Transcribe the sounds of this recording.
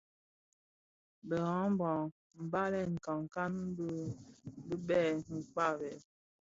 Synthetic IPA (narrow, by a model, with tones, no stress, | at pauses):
bə˨ɣã˨˦m˦bɔ˨ŋ | m̩˨ba˦lɛ˦˨ŋ̩˨ka˨ŋ˨ka˦n˦bbi˦bɛ˦˨ŋ̩˨k͡pa˦˨bɛ˨